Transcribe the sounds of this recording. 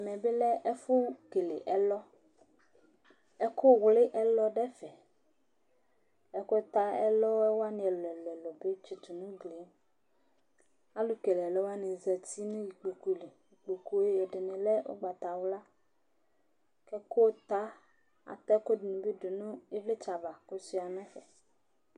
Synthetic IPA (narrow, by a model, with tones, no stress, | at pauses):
a˨mɛ̃˨be˦lɛ˦ʔɛ˦fo˦ke˨lḛ˨ʔɛ˦lɔ˦ | ɛ˦ko˦˨wle˦ʔɛ˦lɔ˦ɖɛ˦fɛ˨ | ɛ˦ko˦t̪a˦ɛ̰˦lɔ˦wɛ˦wo˦a˦nĩ˨ɛ˨lɛ˨lɛ˨lɔ˨be˦t͡ʃe˨t̪u˨nũ˦ɡle˨˦m | a˦lu˦ke˨lɛ˨lɛ˦wo˦a˦nẽ˨zɛ˨t̪i˦nũ˦ji˨k͡po˨ko˨le˨ji˨k͡po˨ko˦e˦jɛ˨ɖe˨nẽ˨lɛ˦o̰˦ɡ͡ba˨t̪a˨wla˦ | kɛ˦ko˦t̪a˦ | a̰˨t̪ɛ˦ko˦di˨nũ˨be˦ɖe˨nũ˦e˦vle˦t͡ʃa˨va˨ko˦si˦a˨nɔ̃˦fɛ˨